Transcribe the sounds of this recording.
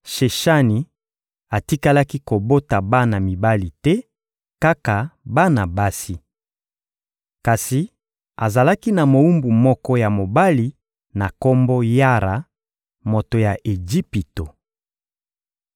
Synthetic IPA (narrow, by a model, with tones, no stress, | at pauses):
ʃe˨ʃa˦ni˨ | a˨ti˦ka˦la˦ki˦ko˨bo˦ta˨ba˦na˨mi˨ba˦li˨tɛ˦ | ka˦ka˨ba˦na˨ba˦si˦ | ka˨si˨ | a˨za˨la˦ki˦na˨mo˨u˦mbu˨mɔ˦kɔ˦ja˨mo˨ba˦li˨ | na˨ko˦mbo˦ja˦ɾa˨ | mo˨to˨ja˨ʔe˨d͡ʒi˦pi˨to˨